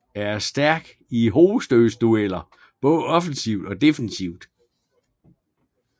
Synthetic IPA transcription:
æɐsd̥æɐɡ̥ | iɦo̝ːð̩ˠsd̥øːsd̥uel̰ɐ | b̥ɔ̽ːð̩ˠɒ̽fn̩siʊd̥ɒ̽d̥e̝fnsiʊd̥

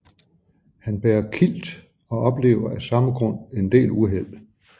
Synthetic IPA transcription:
hænb̥eːɐkʰil̰d̥ | ɒ̽ʔɒ̽b̥le̝̰ːʊɐæsɑ̈məɡ̥ʁɔ̽n̰e̝nd̥e̝̰ːluɦel̰

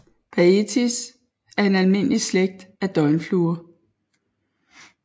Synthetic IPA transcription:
pʰæet͡sʰis | æɐe̝nælme̝n̰əlisleɡ̥̚d̥æd̥ɒ̽ɪnfluːɐ

